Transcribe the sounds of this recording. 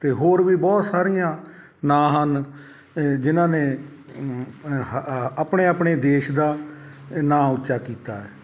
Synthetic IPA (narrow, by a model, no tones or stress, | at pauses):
t̪eːɦoːɾʋiːbɔːt̪saːɾijãː | nãːɦən | d͡ʒɪnãːneː | əpɳeːapɳeːd̪eːʃd̪aː | nãːʊtːʃaːkiːt̪aːɛː